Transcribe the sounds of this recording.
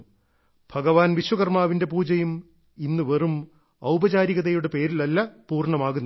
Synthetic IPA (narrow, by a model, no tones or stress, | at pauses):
b̥ʱɐɡɐʋaːnʋiɕwɐɣɐrmaːʋinde̞puːd͡ʑɐjum | inːɨʋerum | ɐwbɐd͡ʑaːɾiɣɐðɐjuɽepe̞ːɾilɐlːɐpuːrɳɐmaːɣunː